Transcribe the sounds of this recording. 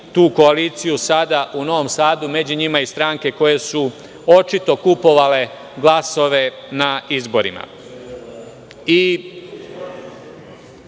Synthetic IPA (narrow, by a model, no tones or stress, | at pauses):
t̪uːko̞aliːt̪sijusad̪aʔuno̞ʋo̞msaːd̪ume̞d͡ʑuɲimaist̪ɾaːŋke̞ko̞je̞su | o̞t͡ʃit̪o̞kupo̞ʋale̞ | ɡlˠaso̞ʋe̞ | naizbo̞ɾḭma̰ | i